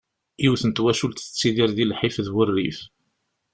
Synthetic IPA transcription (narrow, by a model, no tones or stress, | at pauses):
jiwθənt̪wæʃult̪ə̥t͡sːiðiɾðilħifðwərːḭf